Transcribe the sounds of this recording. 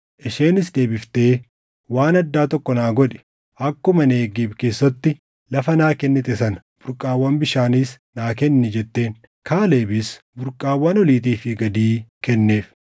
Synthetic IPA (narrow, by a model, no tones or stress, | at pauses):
ʔɪʃe̞ːnɪs̬d̪e̞ːbɪft̪e̞ː | waːnɐd̪ːaːt̪ɔkːɔnaːɡɔᶑɛ̥ | ɐkːʊmɐneːɡiːbke̞ːsːɐt̪ːɪ | lɐfɐnaːkɛnːɛt̪ɛsɐn | b̥ʊɾkʼːaːwːɐnbɪʃaːnɪs | naːkɛnːɛd͡ʒɛt̪ːe̞ːn | kʰaːle̞ːbɪs | bʊɾkʼaːwːɐnɔliːt̪̬iːfɪɡɐd̪iːkɛnːeːf